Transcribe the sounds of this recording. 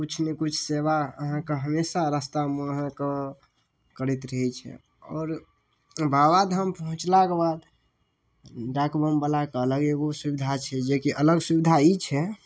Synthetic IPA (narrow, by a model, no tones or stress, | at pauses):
kut͡ʃʰnekut͡ʃʰseʋaəɦãkeɦəmesaɾəst̪aməɦãke | kəɾit̪ɾəɦɛt͡ʃʰɛ̰ | ɔːɾ | babad̪ɦəmpəɦũt͡ʃlakebad̪ | ɾakbəmbəlakeələɡeɡosubid̪ʱat͡ʃʰɛd͡ʒekiʔələɡsubid̪ʱait͡ʃʰɛ